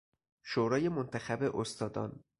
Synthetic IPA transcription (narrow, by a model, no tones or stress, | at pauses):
ʃoːɾɒːje̞mont̪ʰæxæbe̞ʔost̪ʰɒːd̪ɒ̰ːn